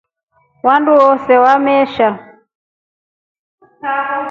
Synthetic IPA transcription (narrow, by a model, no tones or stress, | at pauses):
wanduwɔsɛwamɛʃa